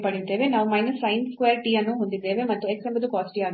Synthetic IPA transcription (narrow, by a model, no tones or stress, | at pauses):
pɐɽid̪e̞ːʋe̞naːʋumɐjnɐsːɐjnkʋeːɾʈiɐnːuɦond̪id̪e̞ːʋe̞mɐt̪ːueksembɐd̪ukaːsʈiaːd̪